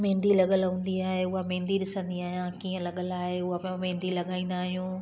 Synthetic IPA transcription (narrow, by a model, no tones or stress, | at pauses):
mẽːnd̪ilɐɠəlɦũːn̆d̪iaːɦeʊɦamẽːnd̪iɗɪsə̃nd̪iaːɦijãkiːə̃lɐɠəlaːɦeʊɦapmẽːn̆d̪ilɐɠaːĩːnd̪aːɦijũː